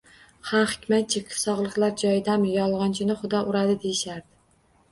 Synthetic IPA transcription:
hamhɪ̥kʲʰmat̪̚t͡ʃʰekʲʰɪ̥fsɒʁlˠɨqlˠaɾd͡ʒɒjɪd̪amjɒlˠʁɑnt͡ʃʰɪnɪχʊd̪ɒʔʊɾad̪ɪd̪ejɪʃaɾd̪ɪ

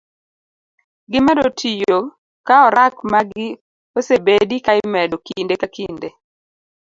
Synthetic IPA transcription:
ɡɪmɛdotʰijo | kaɔɾakmaɡɪ | osebedikaɪmɛdɔkindekakinde

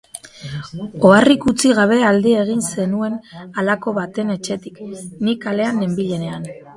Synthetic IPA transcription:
o̞arikut͡siɣ̞aβe̞ald̪ieɣ̞inse̞nue̞nalako̞βat̪e̞ne̞t͡ʃe̞t̪iknikale̞anːe̞mbiʎe̞ne̞an

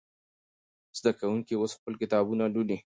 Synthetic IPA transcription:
z̥d̪akawuŋkiosxpəlkɪt̪ɑbunaluli

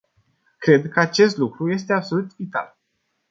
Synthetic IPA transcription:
kɾe̞d̪kəat͡ʃe̞st̪lukɾuje̞st̪e̞abso̞lut̪vit̪a̰l

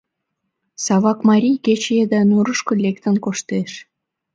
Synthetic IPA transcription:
sɑβɑkmɑɾʲijket͡ɕed̪ɑnuɾəʃkolʲekt̪ə̆nkoʃt̪eʃ

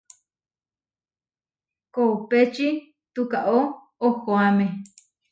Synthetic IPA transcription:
koupet͡ʃi | t̪ukaʔo | oxoame

